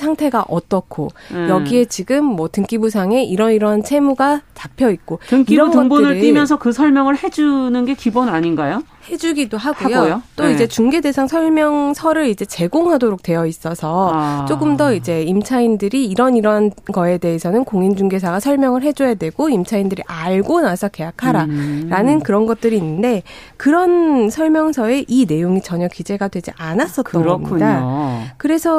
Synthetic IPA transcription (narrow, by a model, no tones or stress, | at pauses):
sʰaŋtʰe̞ɡaʔʌt͈ʌkʰo̰jʌɡie̞t͡ɕiɡɯmːwʌtɯŋk͈ibusʰaŋe̞ʔiɾʌniɾʌnt͡ɕʰe̞muɡat͡ɕapʰjʌit̚k͈otɯŋkiɾʌntɯʌŋbonɯɭ͈imjʌnsʰʌkɯsʰʌɭmjʌŋɯɭhe̞d͡ʑunɯnɡe̞kibonaɲinɡajo | he̞d͡ʑuɡidoɦaɡujojot͈oid͡ʑe̞t͡ɕuŋɡe̞de̞sʰaŋsʰʌɭmjʌŋsʰʌɾɯɾid͡ʑe̞t͡ɕe̞ɡoŋɦadoɾok̚t͈we̞jʌis͈ʌsʰʌt͡ɕ͈oɡɯmdʌid͡ʑe̞imt͡ɕʰaindɯɾiːɾʌniɾʌnɡʌe̞de̞esʰʌnɯnkoŋind͡ʑuŋɡe̞sʰaɡasʰʌɭmjʌŋɯɭɦe̞d͡ʑojadwe̞ɡ̥oimt͡ɕʰaindɯɾiʔaɭɡonasʰʌke̞jakʰaɾaɾanɯnkɯɾʌnɡʌt̚t͈ɯɾiːnːɯnde̞kɯɾʌnsʰʌɭmjʌŋsʰʌe̞ʔine̞joŋit͡ɕʌɲʌkid͡ʑe̞ɡadwe̞d͡ʑiʔanas͈ʌt͈ːʌmɲidakɯɾe̞sʰʌ